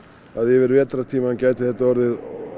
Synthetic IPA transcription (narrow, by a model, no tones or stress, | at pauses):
aðjɛvɪɾvɛːt̪ɾḁt̪ʰiːmancaːjt̪ɪθɛht̪aɔɾðɪð